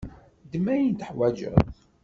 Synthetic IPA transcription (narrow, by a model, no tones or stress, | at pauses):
d̪əmæjənt̪əħwæd͡ʒə̰ðˤ